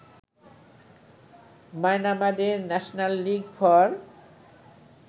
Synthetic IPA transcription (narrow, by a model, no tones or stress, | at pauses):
majnamad̪eɾnɛʃonalːiɡpʰɔɾ